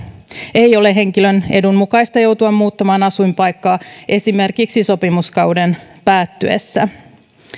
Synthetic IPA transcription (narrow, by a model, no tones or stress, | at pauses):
e̞jo̞le̞ɦe̞ŋkilø̞ne̞dummukɑjst̪ɑjo̞wt̪uɑmmuːt̪ːɑmɑːnɑsujmpɑjkːɑːʔe̞sime̞rkiksiso̞pimuskɑwde̞npæːt̪ːyḛsːæ